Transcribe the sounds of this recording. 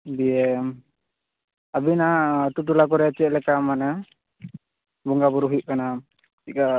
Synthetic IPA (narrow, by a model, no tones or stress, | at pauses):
biɛm | abinat̪ut̪̬ulak̬ɔɾɛt͡ʃɛʔ̚lɛkamanɛ | bɔŋɡabɔɾuɦiʔ̚kana | tika